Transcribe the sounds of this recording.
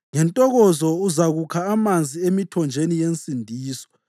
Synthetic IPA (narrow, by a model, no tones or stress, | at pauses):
ŋɛntʼɔɣɔzɔuzaɣukʰaːmand͡zʱiemitʰɔnd͡ʒʱenijensʼindʱiːsɔ̥